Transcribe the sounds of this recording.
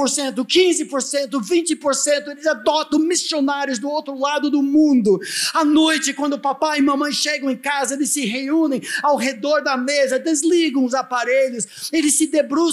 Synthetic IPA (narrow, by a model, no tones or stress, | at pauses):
poɾsẽnt̪ʊkĩzɪpoɾsẽnt̪ʊvĩt͡ʃɪpoɾsẽnt̪ʊelɪzad̪ɔt̪ɐ̃w̃misionaɾjʊznʊowt̪ɾʊlad̪ʊd̪ʊmũnd̪ʊɐnojt͡ʃɪkwɐ̃nd̪ʊpapaɪmɐ̃mɐ̃j̃ʃeɡɐ̃w̃ẽj̃kazɐelɪssɪɦeũnẽj̃awɦed̪ɔɾd̪ɐmezɐd̪ezliɡɐ̃w̃ʊzapaɾeʎʊselɪsːɪd̪ebɾu